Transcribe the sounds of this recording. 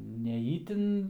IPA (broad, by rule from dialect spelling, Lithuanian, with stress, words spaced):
nʲɛ ˈiːtʲɪn